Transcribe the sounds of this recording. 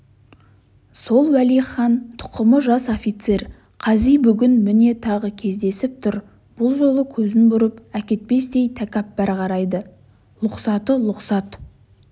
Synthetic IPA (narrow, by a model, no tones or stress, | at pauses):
so̞lˠwælijχɑnt̪ʰʊ̥qəməʒɑsofʲit̪se̞r | qʰɑzijbʏɡʲɪnmɪne̞t̪ʰɑʁəkʲʰe̞zd̪e̞sɪp̚t̪ʰʊɾ | b̥ʊlˠʒo̞lˠəkʲʰɵzɪnbʊɾəpækʲe̞t̪̚pe̞st̪e̞jt̪ʰækʲɑp̚bæɾqɑɾɑjd̪ə | lˠʊqsɑt̪əlˠʊqsɑt̪